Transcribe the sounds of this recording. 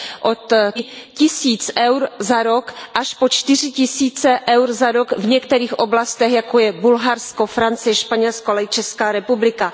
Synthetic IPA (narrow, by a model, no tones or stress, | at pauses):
ʔo̞t̪cɪsiːt͡sʔɛwɾzaɾo̞kʔaʃpo̞t͡ʃt̪ɪr̝ɪcɪsiːt͡sɛʔɛwɾzaɾokvɲɛkt̪ɛɾiːxʔo̞blast̪ɛxjako̞jɛbulɦaɾsko̞fɾant͡sɪjɛʃpaɲɛlskoalaɪt͡ʃɛskaːɾɛpublɪka